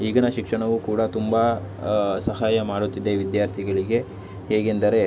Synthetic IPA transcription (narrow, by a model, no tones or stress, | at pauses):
iːɡɐnɐʃikʂɐɳɐʋukuːɽɐt̪umbɐ | sɐɦaːjɐmaːɽut̪ːid̪ːeʋid̪jaːɾt̪ʰiɡɐɭiɡe̞ | heːɡend̪ɐɾe̞